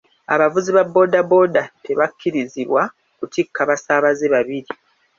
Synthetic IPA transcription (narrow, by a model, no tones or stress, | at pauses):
a̰βavuziβabːo̞dabo̞date̞βakʲʰːiɾiziβwa | kutikʰːaβasaːβazeβaβiɾi